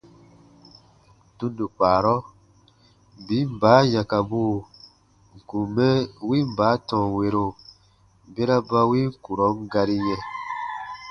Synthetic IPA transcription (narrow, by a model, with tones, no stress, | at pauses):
tũ˦ndu˨k͡paː˨ɾɔ˦ | bi˨˦m̩˦˨baː˨˦jã˨ka˨buː˦ | ŋ̩˨ku˨mɛ˦wi˦m̩˨baː˨˦tɔ̃˨we˧ɾo˨ | be˦ɾa˦ba˧wi˦ŋ˦˨ku˨ɾɔ˨˦ŋ˦ɡa˧ɾi˧jɛ̃˧